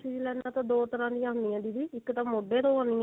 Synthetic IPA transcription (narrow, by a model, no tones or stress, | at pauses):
siːd͡ʒiːlɛːnaːt̪ãːd̪oːt̪əɾãːd̪ɪjãːɦnɪ̃jãːd̪iːd̪iːɪkt̪ãːmoːɖeːd̪oːaːnĩː